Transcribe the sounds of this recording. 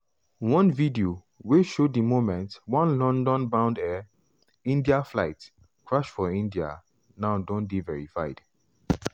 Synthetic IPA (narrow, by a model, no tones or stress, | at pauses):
wɔ̃nvidio | weʃoimomɛ̃ntwɔ̃nlɔ̃ndɔ̃nbãʊ̃ndɛ | ĩndiafla̰ɪt | kʰɹaʃfɔĩndia̰ | naʊdɔ̃nbivɛɹifa̰ɪd̥